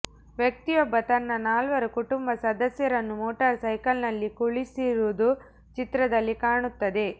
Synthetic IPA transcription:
ʋjɐk̚t̪ijɔbːɐt̪ɐnːɐnaːlʋɐɾukuʈumbɐsɐd̪ɐsjɐɾɐnːumoːʈɐɾsɐjkɐlnɐlːikuɭisiɾuːd̪u | t͡ʃit̪ɾɐd̪ɐlːikaːɳut̪ːɐd̪e̞

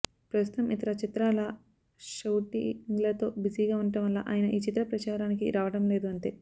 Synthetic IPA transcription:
pɾɐst̪u̥t̪ɐmʔit̪ɐɾɐt͡ʃit̪ɾaːlɐ | ʃɐwʈḭŋɡlɐt̪o̞ːbid͡ʒiɡaːuɳɐʈɐmʋɐlːa̰ːʔa̰ːjɐnɐʔiːt͡ʃit̪ɾɐpɾɐt͡ʃaːɾaːnikḭɾaːʋɐɽɐmle̞ːd̪uɐɳt̪e̞ː

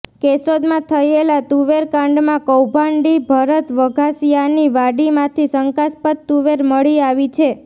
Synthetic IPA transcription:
kesod̪mãt̪ʰəjelat̪uʋeɾkãɳɖmãkəwbʱaɳɖibʱəɾət̪ʋəɡʱasijaniʋaɽimãt̪ʰisəŋkaspət̪t̪uʋeɾməɭiaʋit͡ʃʰe

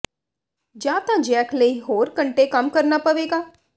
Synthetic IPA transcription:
d͡ʒjãːt̪ãd͡ʒɛːkʰləiɦoːɾkəɳʈekəmkəɾnapəʋeːɡaː

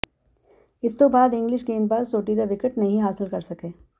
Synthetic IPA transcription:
ɪst̪obaːd̪ɪ̃ŋɡlɪʃɡeːnpaɾsoːʈid̪aʋɪkəʈnɐɦĩɦaːsɪlkɐɾsɐkeː

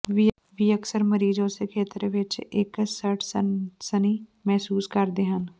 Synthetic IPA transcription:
ʋi | ʋiːəksəɾməɾiːzõːsekʰeːt̪ɾʋɪt͡ʃɪksəʈʰsəniːmɛɦsuːskəɾd̪eːɦən

